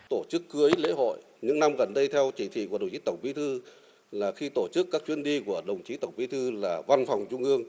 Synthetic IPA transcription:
t̪o˧˩t͡ɕɨ˦˥kːɨ˨˦əlḛ˧˥ɦo̰˧˨j | ɲɨ̰˧˥ŋna˧mɣə˨˩nɗə˧jt̪ʰɛ˧wt͡ɕi˧˩t̪ʰḭ˧˨ku˧˩ə˨˩ŋ͡mt͡ɕi̥˨˦˥t̪ə˧˩ŋ͡mɓḭ˧˥t̪ʰɨ˧ | laː˨˩xi˧t̪o˧˩t͡ɕɨ˦˥kːaː˦˥k̚t͡ɕwi˧ənɗi˧ku˧˩əɗə˨˩wŋ͡mt͡ɕi˨˦t̪ə˧˩wŋ͡mɓḭ˧˥t̪ʰɨ˧laː˨˩va˧nfa˨˩wŋ͡mt͡ɕʊ˧ŋ͡mʔɨ˧əŋ

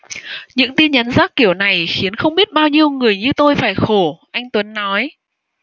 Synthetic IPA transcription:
ɲɨ̰˧˥ŋt̪i˧nɲa˨˦nzaː˦˥k̚kːi˧˩əwna˨˩jxi˨˦ənxə˧wŋ͡mɓi˦˥ət̚ɓaː˧wɲi˧əwŋɨ˨˩əjɲɨ˧t̪o˧jfaː˧˩jxo˧˩ʔa˧jŋ̟t̪wə˨˦nːɔ˨˦j

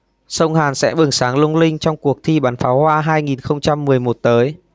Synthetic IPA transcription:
sə˧wŋ͡mhaː˨˩nsɛ̰˧˥ɓɨ˨˩ŋsaː˨˦ŋlʊ˧ŋ͡mlï˧ŋ̟t͡ɕɔ˧wŋ͡mku˨˩ək̚t̪ʰi˧ɓaː˨˦nfaː˨˦whwaː˧ɦaː˧jŋi˨˩nxə˧wŋ͡mt͡ɕa˧mːɨ˨˩əjmo˨˩t̚t̪əː˨˦j

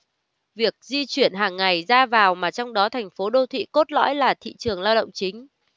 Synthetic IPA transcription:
vi˨˩ək̚zi˧t͡ɕwi˧˩ənɦaː˨˩ŋːa˨˩jzaː˧vaː˨˩wmaː˨˩t͡ɕɔ˧wŋ͡mɗɔ˨˦t̪ʰɛ˨˩jŋ̟fo˨˦ɗo˧t̪ʰwḭ˧˨ko˦˥t̚lɔ̰˧˥jlaː˨˩t̪ʰḭ˧˨t͡ɕɨ˨˩əŋlaː˧wɗə̰˧˨wŋ͡mt͡ɕï˨˦ŋ̟

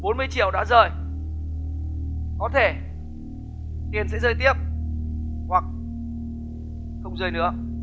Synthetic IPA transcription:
ɓo˨˦nmɨ˧əjt͡ɕi˧˩əwɗa̰ː˧˥zəː˨˩j | kɔ˨˦t̪ʰe˧˩ | t̪i˨˩ənsɛ̰˧˥zəː˧˩jt̪i˦˥əp̚ | hwa˨˩k̚ | xə˧wŋ͡mzəː˧˩jnɨ̰˧˥ə

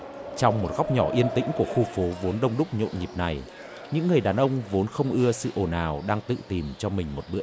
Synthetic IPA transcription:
t͡ɕɔ˧wŋ͡mmo˨˩t̚ɣa˦˥wk͡p̚ɲɔ˧˩ʔi˧ənt̪ḭ̈˧˥ŋ̟ku˧˩əxu˧fo˨˦vo˨˦nɗə˧wŋ͡mɗʊ˦˥k͡p̚ɲo̰˧˨nɲi˨˩p̚na˨˩j | ɲɨ̰˧˥ŋːɨ˨˩əjɗaː˨˩nʔə˧wŋ͡mvo˨˦nxə˧wŋ͡mʔɨ˧əsɨ̰˧˨ʔo˨˩naː˨˩wɗaː˧ŋt̪ɨ̰˧˨t̪i˨˩mt͡ɕɔ˧mï˨˩ŋ̟mo˨˩t̚ɓɨ̰˧˥ə

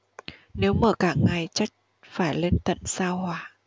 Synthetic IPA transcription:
ne˨˦wməː˧˩kaː˧˩ŋa˨˩jt͡ɕa˦˥jk̟̚ | faː˧˩jle˧nt̪ə̰˧˨nsaː˧whwaː˧˩

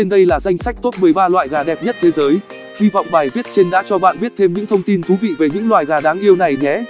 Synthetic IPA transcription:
t͡ɕe˧nɗə˧jlaː˨˩za˧jŋ̟sa˦˥jk̟̚t̪o˦˥p̚mɨ˨˩əjɓaː˧lwa̰ː˧˨jɣaː˨˩ɗɛ˨˩p̚ɲə˦˥t̚t̪ʰe˨˦zəː˨˦j | hi˧vɔ̰˧˨wŋ͡mɓaː˨˩jvi˦˥ət̚t͡ɕe˧nɗa̰ː˧˥t͡ɕɔ˧ɓa̰ː˧˨nɓi˦˥ət̚t̪ʰe˧mɲɨ̰˧˥ŋt̪ʰə˧wŋ͡mt̪i˧nt̪ʰu˨˦vḭ˧˨ve˨˩ɲɨ̰˧˥ŋlwa̰ː˧˨jɣaː˨˩ɗaː˨˦ŋʔi˧əwna˨˩jŋɛ˨˦

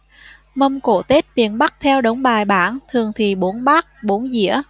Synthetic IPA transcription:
mə˧mko˧˩t̪e˦˥t̚vḭ˧˨ənɓa˦˥k̚t̪ʰɛ˧wɗə˨˦wŋ͡mɓaː˨˩jɓaː˧˩nt̪ʰɨ˨˩əŋt̪ʰi˨˩ɓo˨˦ənɓaː˦˥k̚ɓo˨˦nzḭ˧˥ə

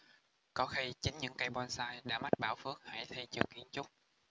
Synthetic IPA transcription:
kɔ˨˦xi˧t͡ɕi˨˦ŋɲɨ̰˧˥ŋka˧jɓwa˧nsaː˧jɗa̰ː˧˥ma˦˥t̚ɓaː˧˩wfɨ˦˥ək̚ha̰˧˩jt̪ʰe˧jt͡ɕɨ̰˨˩kːi˧ənt͡ɕʊ˦˥k͡p̚

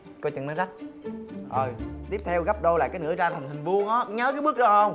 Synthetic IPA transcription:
ko˧˦jt͡ɕɨ̰˨˩ŋnaː˨˦jza˦˥k̚ʔo˨˩jt̪i˦˥əp̚t̪ʰɛ˧wɣa˦˥p̚ɗo˧laː˨˩kaː˨˦nɨ̰˧˥əzaː˧t̪ʰə˨˩ŋt̪hï˨˩ŋ̟vu˧əŋɔː˨˦ɲə˨˦kaː˨˦ɓɨ˦˥ək̚ɗɔ˧˦hə˧wŋ͡m

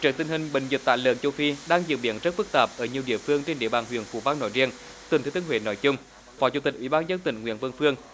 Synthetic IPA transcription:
t͡ɕəː˨˩t̪ï˧ŋhï˨˩ŋ̟ɓḭ˧˨ŋ̟zi˨˩t̚t̪a̰ː˧˨jlə̰ː˧˨˦t͡ɕə˧wfi˧ɗaː˧ŋzḭ˨˧˨əw̚ɓḭ˧˩ənzə˦˥t̚fɨ˦˥k̚t̪aː˨˩p̚ʔəː˧˩ɲi˨˩əɗḭ˧˨əfɨ˧əŋt͡ɕe˧nɗḭ˧˨əɓaː˨˩nɦwi˧˨ənfṵ˧˦vaː˧no̰˧˩jzi˧ən | t̪ɨ˨˩t̪ʰːt̪ːnhwḛ˧˩nɔ˧˦jt͡ɕʊ˧ŋ͡m | fɔ˧˦t͡ɕu˧˩t̪i˨˩k̟ʔwḭ˧˩ɓaː˧nzə˧nt̪ï˧˨˩ŋ̟ŋw̰ənvə˧nfɨ˧əŋ

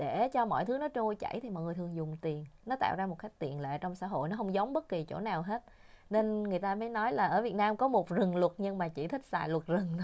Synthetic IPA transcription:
ɗe˧˩˨t͡ɕɔ˧mɔ̰˧˨jt̪ʰɨ˨˦nɔ˨˦t͡ɕo˧jt͡ɕa̰˧˩jt̪ʰi˨˩mɔ̰˨jŋɨ˨˩ət̪ɨ˨˩əŋzʊ˨˩ŋ͡mt̪i˨˩ənnɔ˨˦t̪a̰ː˧˨wzaː˧mo˨˩t̚ka˦˥k̟̚t̪ḭ˨˩ənlḛ˧˨t͡ɕɔ˧wŋ͡msa̰ː˧˥ɦo̰˧˨jnɔ˨˦ɦə˧wŋ͡mzə˨˦wŋ͡mɓə˦˥t̚ki˨˩t͡ɕo̰˧˩naː˨˩wɦe˦˥t̚ | ne˧nŋɨ˨˩əjt̪aː˧məː˨˦jnɔ˨˦jlaː˨˩ʔəː˧˩vi˨˩ət̚naː˧mkɔ˨˦mo˨˩t̚zɨ˨˩ŋlwə˨˩t̚ɲɨ˧ŋmaː˨˩t͡ɕi˧˩t̪ʰï˦˥k̚sa̰ː˧˨˩jlwə˨˩t̚zɨ˨˩ŋ˦

